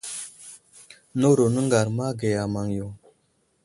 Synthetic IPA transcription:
no˦ɾo˨nə˦ŋɡa˨ɾma˦ɡe˨ja˨ma˨ŋjo˨

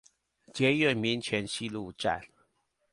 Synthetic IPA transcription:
t͡ɕjɛ˧˦ɥɛ˥˨˩nmi˧˥˦nt͡ɕʰɥɛ˧˥nɕi˥˧lu˥˨ʈ͡ʂa̰˥˨n

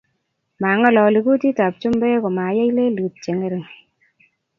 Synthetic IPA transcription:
ma˨ŋɔ˦lɔ˨li˨ku˦ti˦ta˨p̚t͡ʃu˦mbe˦ko˨ma˨ja˦jle˦lu˨t̚t͡ʃe˨ŋe˦ɾe˨ŋ

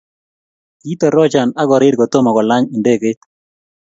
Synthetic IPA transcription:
ki˦t̪ɔ˨ɾɔ˦d͡ʒa˨na˦ɡɔ˨ɾɪ˦dɡɔ˨t̪o˦mɔ˨ɡɔ˨la˦ɲi˨nde˦ɡe˦t̪

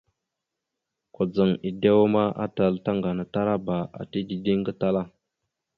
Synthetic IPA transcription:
ko˨d͡zə˨ŋi˨de˦wa˦ma˦ʔa̰˦ta˨lta˦ŋɡa˨na˨ta˦ɾa˦ba˨ʔa̰˨ti˦di˨di˦ŋɡə˦ta˦la˦

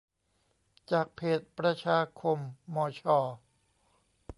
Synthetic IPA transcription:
t͡ɕaː˨˩k̚pʰeː˨˩t̪̚pɾa˧t͡ɕʰaː˧kʰo˧mːɔː˧˦t͡ɕʰɔː˧

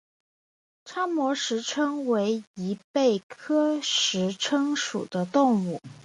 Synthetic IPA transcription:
ʈ͡ʂʰa˥ŋmwɔ˧˥ʂɻ̩˧˥ʈ͡ʂʰɤ˥ŋwe˧˥ɪi˧˥pe˥˩ɪkʰɤ˥ʂɻ̩˧˥ʈ͡ʂʰɤ˥ŋʂṵ˨˩d̪ə˦t̪ʊ˥˧ŋu˥˩

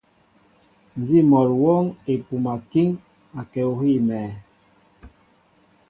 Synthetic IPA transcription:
n˨zi˦mɔ˨ɾwɔ˦ŋe˨pu˨ma˨ki˦ŋ | a˨kɛ˨o˨ɦi˦˨mɛː˨

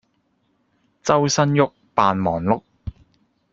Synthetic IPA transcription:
t͡sɐ˥wsɐ˥njʊ˥k̚paː˨nmɔː˨˩ŋlʊ˥k̚

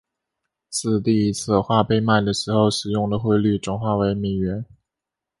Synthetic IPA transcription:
t͡sʰɹ̩˥˧t̪i˥˩i˧˥t͡sʰɹ̩˥˧xwa˥˧pe˥˧ɪma˥˩ɪd̪ə˩ʂɻ̩˧˥xo˥˧ʊʂɻ̩˨˩jʊ˥˩ŋd̪ə˩xwe˥˧ɪly˥˩ʈ͡ʂʊ˨˥ŋxwa˥˩we˧˥ɪme˨˩ɥɛ˧˥n

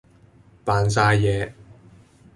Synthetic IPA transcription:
paː˨ns̬aː˧jjɛː˨˧

